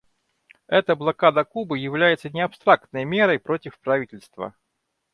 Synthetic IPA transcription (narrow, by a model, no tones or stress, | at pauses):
ɛt̪əblˠɐkad̪əkubɨjɪvlʲæjɪt̪sənʲɪɐpst̪ɾak̚t̪̚nəjmʲeɾəjpɾo̞tʲɪfpɾɐvʲitʲɪlʲst̪və̰